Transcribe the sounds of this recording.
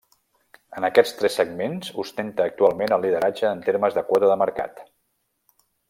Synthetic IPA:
ənəkɛt͡st̪ɾɛsːəɡ̚menzust̪ent̪əːk̚t̪ualˠmenəlˠːið̞əɾad͡ʒəːnt̪eɾməzðəkwɔt̪əðəməɾka̰t̪

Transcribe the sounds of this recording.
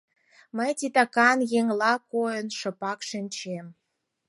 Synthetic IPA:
məjt̪it̪ɑkɑnjeŋlɑkojənʃə̆pɑkʃənʲt͡ɕem

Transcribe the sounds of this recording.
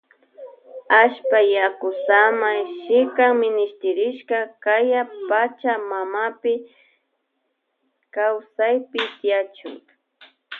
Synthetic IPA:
aʃpajakʊsamajʃɪkaŋmɪnɪʃt̪ɪɾɪʃkakajapat͡ʃamamapɪ | kawsajpɪt̪ɪjat͡ʃʊ̰ŋ

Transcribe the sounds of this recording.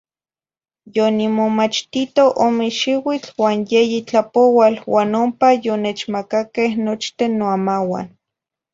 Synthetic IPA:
jonimomat͡ʃt̪it̪oʔomeʃiwit͡ɬwaːnjejit͡ɬapowalwaːnompajonet͡ʃmakakehnot͡ʃt̪enːoamawa̰n

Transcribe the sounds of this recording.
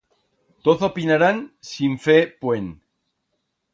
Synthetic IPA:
t̪oθopinaɾansiɱfepwen

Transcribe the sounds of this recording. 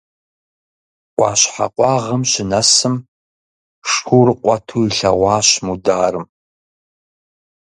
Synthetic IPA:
qʷʼɑːɕħa̰qʷʼɑːʁəmɕɪnɐsɨm | ʂxʰʷuːɾɨqʷɑtʰuːiɬɐʁʷɑːɕmudaːrɨm

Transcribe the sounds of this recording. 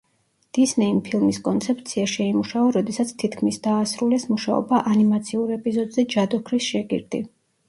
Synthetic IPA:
d̪̥isnɛimpʰilˠmiskʼɔnt̪sʰɛp̚ʰt̪sʰiaʃɛaimuʃaɔɾɔd̪ɛsat̪sʰt̪ʰit̪ʰkʰmisd̪aːsɾulɛsmuʃaɔ̰baʔanimat̪sʰiuɾɛpʼizɔd̪zɛd͡ʒad̪ɔkʰɾisʃɛɡḭɾd̪ḭ

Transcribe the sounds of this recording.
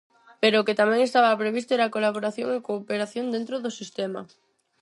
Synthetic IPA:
peɾoːket̪amɛ̃ŋest̪aβɐpɾeβist̪oɛɾakolaβoɾaθjoŋekoːpeɾaθjond̪ent̪ɾoðosist̪ɛma̰

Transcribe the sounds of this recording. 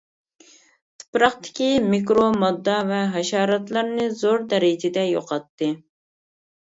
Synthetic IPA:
t̪ʰɨ̥pɾɑχt̪ʰɪ̥kʲimikɾomɑd̪ːɑvɛɦɛʃɑːɾɑt̪lˠɑɾnɨzoɾd̪ɛɾɪd͡ʒɪd̪ɛjo̰qʰɑt̪ːɨ

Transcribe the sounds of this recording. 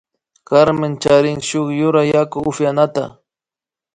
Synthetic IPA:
kaɾmɪnt͡ʃaɾɪŋʃʊχjʊɾajakʊʊfjanat̪a̰

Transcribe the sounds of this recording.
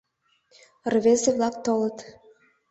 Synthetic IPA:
rβezeβlɑkt̪olət̪

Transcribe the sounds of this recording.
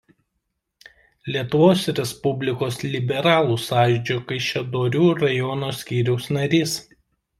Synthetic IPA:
lʲiɛt̪ʊʋoːsɾʲɛspʊbʲlʲɪkoːslʲɪbʲɛɾɑːlˠuːsɑːʒʲd͡ʒʲokɐɪʃʲɛd̪oːɾʲuːɾɐjɔːnoːsʲkʲiːɾʲɛʊsnɐɾʲiːs

